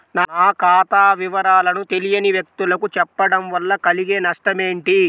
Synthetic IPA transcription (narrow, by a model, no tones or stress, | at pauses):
nanaːkaːt̪aːʋiʋɐɾaːlɐnut̪e̞lijɐniʋjɐk̚t̪ulɐkut͡ʃɛpːɐɽɐmʋɐlːɐkɐliɡeːnɐʂʈɐmeːɳʈi